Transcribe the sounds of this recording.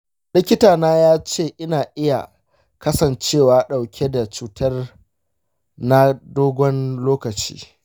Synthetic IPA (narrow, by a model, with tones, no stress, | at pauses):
lɪ˦kʲɪ˦taː˨naː˦jaː˦t͡ʃeː˦˨ʔɪ˦naː˨ʔɪ˦ja̰˨ | kɐ˦sɐ˨nt͡ʃeː˦˨waː˦ɗa˨wkʲʰe˦da˨t͡ʃuː˦tʰɐ˦r | na˦doː˦ɡʷɔ˦nloː˦kɐ˨t͡ʃḭː˦